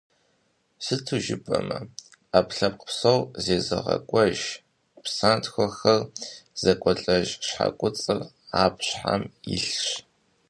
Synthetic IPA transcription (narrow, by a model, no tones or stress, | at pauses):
sɨtʰuʒɪbʰʼɐmɐ | apɬɐp̚qə̥psɐwzeːzɨʁɐ̰kʷʼɔʒ | psaːntxʷɔxɐrz̥ɐkʷʼɔɬʼɐʒɕħa̰kʷʼʊt͡sʼɨr | aːpɕħa̰miɬɕ